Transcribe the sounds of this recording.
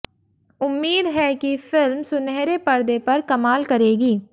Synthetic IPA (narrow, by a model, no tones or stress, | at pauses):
ʊmːiːd̪ɦɛkifʰɪlmsʊnɛːɾepɐɾd̪epɐɾkɐmaːlkɐɾeːɡiː